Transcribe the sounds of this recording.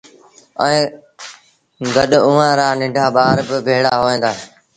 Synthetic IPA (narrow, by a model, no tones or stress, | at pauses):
ɛ̃ː | ɡɐɗʊʋãːɾaːnɪ̃ɳɖʱaːɓaːɾbɪbʱeːɽaːɦoːẽːnd̪aːɦe